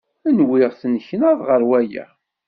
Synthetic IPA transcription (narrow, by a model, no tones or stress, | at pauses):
ænwɪʁθənçnəðʁəɾwæjæ̰